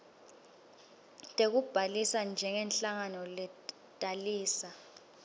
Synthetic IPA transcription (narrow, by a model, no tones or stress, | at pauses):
tʼek̬ub̥ʱalisand͡ʒʱɛŋɛnɬaŋanɔlɛ | tʼaliːsa